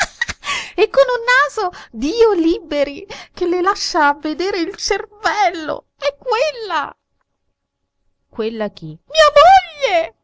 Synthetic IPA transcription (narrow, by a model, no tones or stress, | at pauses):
ekːonunːaːzod̪iːoliːbeɾikelelaʃːaːvːed̪eːɾeilt͡ʃervɛlːo̰ | ɛkːwelːa̰ | kwelːak̟imiːamoʎːe